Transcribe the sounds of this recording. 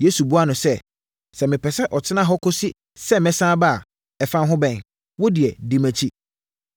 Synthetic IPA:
je˨˦su˨bu˦a˦nʊ̃˨sɛ˦˨ | sɛ˨mɪ̃˨pʰɛ˨sɛ˦ʔɔ˨t͡ɕʰɪ˦nã˦ɦɔ˦kʰo˦si˦ | sɛ˦mɛ̃˦sã˦ba˦a˨ | ɛ˨fã˦nɦʊ̃˦bɛ̃˨n | wɔ˦dɪ˨ɛ˨di˨mæ̃˨t͡ɕʰi˦

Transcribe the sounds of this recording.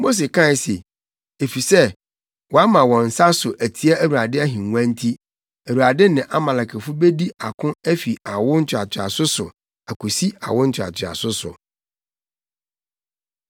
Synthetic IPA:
mo˦s̬e˨kʰã˦˨se˨ | e˨fi˨sɛ˦ | wɔ˨a˦mã˨wɔ̃˨n̩˨sa˦sʊ˨ʔæ˨tʰi˨ɛ˦æ˦wu˨ɾa˨dɪ˦a˦ɦĩ˨ŋʷ˦ã˦n˦tʰi˦ | æ˨ɾu˨a˨dɪ˦nɪ̃˨ʔa˦mã˨la˨kʰɛ˨fʊ˦be˦di˦a˨kʰʊ̃˦æ˦fi˨a˨wʊ˦n̩˦t͡ɕʰᶣa˨t͡ɕʰᶣɪ˨a̰˨sʊ˦sʊ˨ | æ˨kʰu˨si˦a̰˨wʊ̃˦n̩˦t͡ɕʰᶣa̰˨t͡ɕʰɪ˨a̰˨sʊ˦sʊ̰˨

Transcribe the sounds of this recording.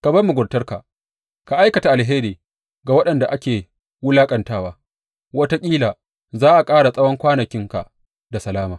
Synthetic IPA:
ka˨bɐ˦rmu˨ɡʷʊ˨ɽtɐ˦rka̰˨ʔ | ka˨ʔa˦jkɐ˨ta˨ʔa˨lɦeː˦ɾiː˨ | ɡa˨wɐ˦ɗɐ˨nda˨ʔa˦kʲeː˨ | wʊ˦laː˦kʼɐ˨ntaː˦waː˦ | wɐ˦ta˦kʲʼiː˦laː˨ | zaː˦ʔa˨kʼaː˦ɽa˨sʼɐ˦wɔ˦ŋkʷaː˦nɐ˨kʲɪ˦ŋka̰˨ | da˨sɐ˨laː˦maː˨

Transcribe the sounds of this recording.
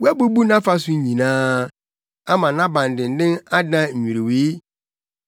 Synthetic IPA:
wæ˦bu˦bu˦nã˦fa˦sʊ˦ɲĩ˨nãː˦ | a˦mã˨nã˦bã˨n˨dɪ̃˨n̩˨˦dɪ̃˦na˦dã˦ɲ̩˨ɲũ˨ɾe˨we˨˦

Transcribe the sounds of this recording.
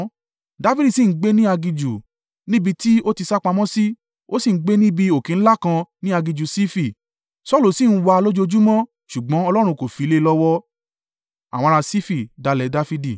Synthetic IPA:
da˦fi˦di˦˨si˦˨n̩˦ɡ͡be˦nĩ˦a˧ɡi˧d͡ʒu˨ | nĩ˦bi˧ti˦o˦ti˧sa˦k͡pa˧mɔ̃˦si˦ | o̰˦si˦˨n̩˦ɡ͡be˦nĩ˦bi˧o˨kĩ˨n̩˦la˦˨kã˧nĩ˦a˧ɡi˧d͡ʒu˨si˦fi˦˨ | sɔ˦˨lu˨si˦˨n̩˦wa˧lo˦d͡ʒo˦o˧d͡ʒu˦mɔ̃˦ | ʃu˨ɡ͡bɔ̃˨˦ɔ˧lɔ˦˨ɾ̃ũ˧ko˨fi˨˦le˦˧lɔ˦wɔ˦ | a̰˨wɔ̃˧a˧si˦fi˦˨da˨˧lɛ˨˦da˦fi˧di˨

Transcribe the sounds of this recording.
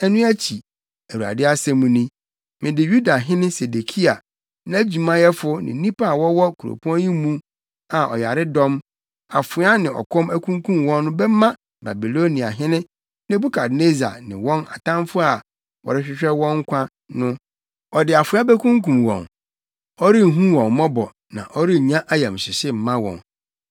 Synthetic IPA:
ɛ˦nũ˦æ˦t͡ɕʰi˨ | æ˨wu˨a̰˨dɪ˦a˦sɛ˦mũ˨nĩ˦ | mɪ̃˨dɪ˨ju˦da˨ɦɪ̃˦nɪ̃˦se˨de˨kʰi˦a˨ | nã˦æ˦d͡ʑi˨mã˦jɛ˦fʊ˦nɪ̰̃˨˦nĩ˦pa˦a˨wɔ˦wɔ˦kʰu˨ɾo̰˨pʰu˦ɔ̃˦jĩ˦mũ˦ | a˨ʔɔ̰˨ja˨ɾɪ˦dɔ̃˦m | a˨fʊ˨˦a˦nɪ̃˨ɔ̰˨kʰɔ̃˦mæ˦kʰũ˦ŋkʰũ˦mwɔ̃˦nːʊ̃˦bɛ˦mã˦ | ba˨bi˨lo˦nĩ˨a̰˨ɦɪ̃˦nɪ̃˦ | nɪ̃˦bu˦kʰa˨dne˦za̰˨nɪ̃˨wɔ̃˦na̰˨tã˦m˦fʊ˦a˨ | wɔ̰˨ɾɪ˦ɕᶣɪ˦ɕᶣɛ˦wɔ̃˦ŋ˦kʷʰã˦ | nʊ̃˦ | ɔ˨dɪ˨a˨fʊ˨˦a˦bɛ˦kʰũ˦ŋkũ˨mwɔ̰̃˨n | ɔ˦ɾi˦˨ɦũ˦wɔ̃˨nmɔ̃˦bɔ˨ | nã̰˨ʔɔ˦ɾi˦ɲ˨ɲã˦ʔa˦jɛ˨m˨sɪ˨sɪ˦m̩˨mã˦wɔ̰̃˨n

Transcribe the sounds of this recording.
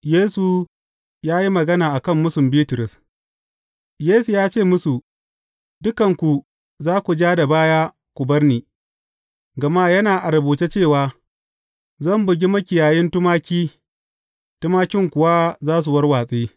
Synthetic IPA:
jeː˦su˨ | jaː˦ji˦mɐ˨ɡɐ˦naː˨ʔa˨kɐ˦˨mːʊ˦sʊ˨mbiː˦tʊ˨ɾʊ˨s | jeː˦su˨jaː˦t͡ʃeː˦˨mʊ˦su˨ | dʊ˦kɐ˨ŋkʷu˨ | zaː˦kʷu˨d͡ʒaː˦da˨baː˦jaː˦ | kʷʊ˨bɐ˦rniː˨ | ɡɐ˨ma˦jɐ˦naː˨ʔa˨ɾɐ˨buː˨te˦t͡ʃeː˦˨waː˦ | zɐ˦˨mbʊ˨ɡʲi˦mɐ˦kʲɪ˨jaː˨jɪ˦ntʊ˦maː˦kʲiː˦ | tʊ˦maː˦kʲɪ˦ŋkʷʊ˨wa˦zaː˦s̬u˨wɐ˦rwaː˨sʼiː˦

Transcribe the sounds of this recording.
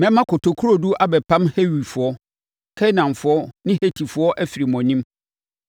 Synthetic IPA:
mɛ̃˦mã˦kʰʊ˨tʰo˨kʰu˦ɾo˦du˦ʔa˦bɛ˨pʰã˦mhe˦ɥi˨fʊ˨ɔ˦ | kʰɛ˦nã˨nfʊ˨˦ɔ˦nɪ̃˦he˨tʰi˨fʊ˨˦ɔ˦ʔæ˦fi˨ɾi˨mɔ̃˨nĩ˦m

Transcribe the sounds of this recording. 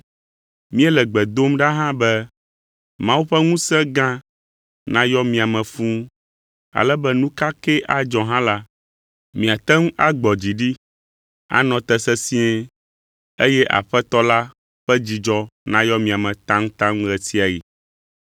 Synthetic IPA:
mĩ˦ɛ˦lɛ˨ɡ͡bɛ˨d̪o˦mɖa˦ɦã˦bɛ˦ | mã˦wu˦ɸɛ˦ŋũ˦sɛ̃˦ɡã˦ | nã˦jɔ˦mĩ˨a˨mɛ̃˨fũ˦ | a̰˨lɛ˦bɛ˦nũ˦ka˦kɛ˦ʔa˨d͡ʒɔ˨ɦã˦la˦ | mĩ˨a˨t̪ɛ˦ŋ˦ʔa˦ɡ͡bɔ˨d͡ʑi˨ɖi˦ | a̰˦nɔ̃˨t̪ɛ˦sɛ˦si˦ɛ˦ | e˦jɛ˦ʔa̰˨ɸɛ˦t̪ɔ˦la˦ | ɸɛ˦d͡ʑi˨d͡ʒɔ˦nã˦jɔ˦mĩ˨a˨mɛ̃˨t̪ã˦ŋ˦t̪ã˦ŋ˦ɣɛ˨si˦a˨ji˨

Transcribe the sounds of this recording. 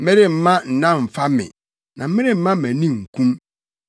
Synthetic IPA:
mẽ˦ɾɪ˦˨m̩˦mã˦n̩˨nã˦m̩˨fa˦mɪ̰̃˨ | nã˨m̩˦mẽ˦ɾɪ˦m̩˦mã˦mæ̃˨nĩ˦ŋ̩˨kʰũ˦m

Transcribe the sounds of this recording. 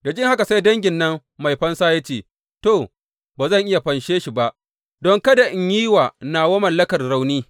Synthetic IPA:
da˨d͡ʒɪ˦ŋha˦ka˨sa˦jdɐ˦ŋɡʲɪ˨nːɐ˦ŋ | ma˨jɸɐ˦nsaː˦ja˦t͡ʃeː˨ | toː˦˨ | baː˨zɐ˦˨ŋʔɪ˦ja˨ɸɐ˨nʃeː˦ʃi˨ba˦ʔ | dɔ˦ŋkɐ˦da˨ʔɪ˨ɲjiː˦waː˨naː˨wo˦mɐ˨lːɐ˦kɐ˨rɽa˨wniː˦

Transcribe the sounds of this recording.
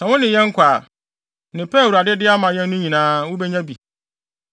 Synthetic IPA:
sã˨wʊ̃˦nɪ̃˨jɛ̃˦ŋ̩˦kʷʰaː˨ | nɪ̃˨pʰɛ˦˨wu˨ɾa˨dɪ˦dɪ˦a˦mã˨jɛ̃˦n˦nʊ̃˦ɲĩ˨nãː˦wʊ̃˦bɛ˦ɲã˦bi˨

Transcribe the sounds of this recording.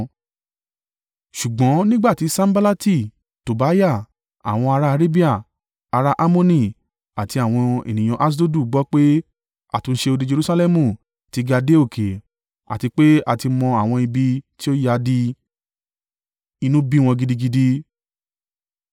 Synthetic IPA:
ʃu˨ɡ͡bɔ̃˨˦nĩ˦ɡ͡ba˦˨ti˨˧˦sã˦m̩˦ba˦la˦ti˦˨ | to˨ba˨˦ja˦˨ | a̰˨w̃ɔ̃˧a˧ɾa˦a˧ɾe˦bi˦a˦˨ | a˧ɾa˦ʔa˦mo˦nĩ˦˨ | a˨ti˧a˨w̃ɔ̃˧ḛ˨nĩ˨j̃ɔ̃˨˧ʔa˦s̬do˦du˦˨ɡ͡bɔ˦k͡pe˦ | a̰˦˨tũ˧n̩˦ʃe˧o˧di˧d͡ʒe˧ɾu˦sa˧lɛ˦mũ˧˨ | ti˨˧˦ɡa˧de˦o˦˨kʰe˨ | a̰˨ti˧k͡pe˦a˨ti˧mɔ̃˧a˨w̃ɔ̃˧i˧bi˧ti˦o˦ja˧˦di˧ | i˧nũ˦bi˦w̃ɔ̃˧ɡi˧di˧ɡi˧di˧

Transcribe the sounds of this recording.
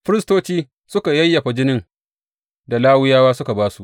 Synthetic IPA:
ɸɪ˦ɾɪ˦stoː˦t͡ʃiː˦ | sʊ˦ka˨jɐ˦jːɐ˨ɸa˨d͡ʒɪ˦nɪ˦ŋ | da˨laː˦wʊ˦jaː˦waː˦sʊ˦ka˨baː˦su˦˨ʔ

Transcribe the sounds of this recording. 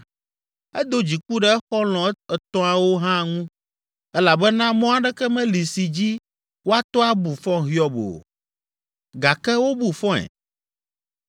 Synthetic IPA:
ɛ˦d̪o˦d͡ʑi˨k͡pu˦ɖɛ˨ɛ˦xɔ˦l̃ɔ̃˨˦ɛ˨t̪ɔ̃˦ã˨wo˦ɦã˦˨ŋũ˦ | ɛ˦la˨bɛ˦nã˦mɔ̃˦a˨ɖɛ˦kɛ˦mɛ̃˦li˨si˨d͡ʑi˦ | wo˦a˦t̪ɔ˦a˦bu˨fɔ̃˦ɦi˦ɔ˦bo̰˨ | ɡa˨kɛ˦wo˦bu˨fɔ̃˦ɛ̰˨

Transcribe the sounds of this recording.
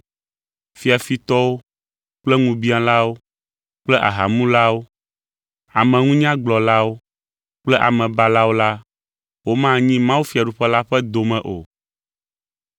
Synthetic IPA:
fi˦a˨fi˨t̪ɔ˦wo˦ | k͡plɛ˦ŋũ˨bi˦ã˦la˦wo˦ | k͡plɛ˦ʔa̰˨ɦa˨mũ˦la˦wo˦ | a˨mɛ̃˨ŋũ˦ɲ˦ã˦ɡ͡blɔ˨la˦wo˦ | k͡plɛ˦ʔa̰˨mɛ̃˨ba˦la˦wo˦la˦ | wo˦mã˦ɲĩ˦mã˦wu˦fi˨a˨ɖu˨ɸɛ˦la˦ɸɛ˦d̪o˨mɛ̃˨ʔo˨

